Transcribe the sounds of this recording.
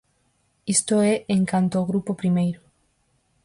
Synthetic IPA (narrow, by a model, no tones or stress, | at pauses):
ist̪oɛʔeŋkant̪oːɣɾupopɾimejɾʊ